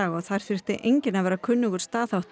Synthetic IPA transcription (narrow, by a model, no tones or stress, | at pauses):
aːɣɔɣθajɾ̥fɪr̥t̪ɪʔejɲcɪnavɛːɾakʰʏnːʏkʏɾ̥st̪aːθawht̪